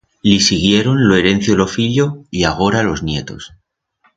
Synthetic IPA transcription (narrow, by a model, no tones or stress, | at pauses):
lisiɣje̞ɾo̞nloeɾe̞n̟θjolo̞fiʎo̞iaɣ̞o̞ɾalo̞znje̞t̪o̞̰s